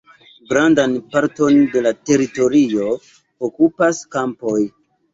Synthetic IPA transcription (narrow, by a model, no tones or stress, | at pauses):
ɡɾandanpaɾto̞nde̞late̞ɾito̞ɾio̞ | okupaskampo̞j